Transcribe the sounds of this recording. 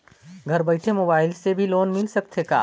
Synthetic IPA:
ɡʱɐɾbɐɪʈʰemoːbaːɪlsebʱiloːnmɪlsɐk̚t̪eka̰ː

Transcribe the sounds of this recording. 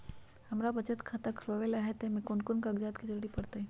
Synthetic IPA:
hɐmɾabɐt͡ʃət̪kʰat̪akʰɾoʋelaɦɛt̪ẽmẽkʊnkʊnkaɡd͡ʒaːt̪kid͡ʒəɾɽipɐɽt̪aɦɛ̃

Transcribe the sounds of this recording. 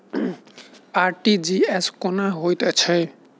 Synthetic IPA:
aɾʈid͡ʒieskɔnaɦojt̪et͡ɕʰe

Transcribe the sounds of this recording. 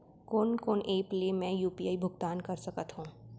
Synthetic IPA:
koːnkoːnʔeːplemɛ̃juːpiaːibʱʊɡt̪aːnkɐɾsɐkət̪ɦũː

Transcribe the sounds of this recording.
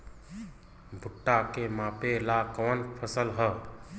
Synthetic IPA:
bʱʊʈːakemapelakɔnpʰəsəlɦə

